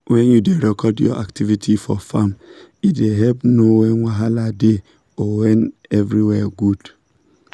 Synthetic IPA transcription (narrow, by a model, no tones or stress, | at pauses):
wɛ̃njudeɾɛkʰɔdjɔ̰ʔaktʰivitʰifɔfamideɦɛpnoweŋʷaɦalade | ɔwenevɾiwɛɡud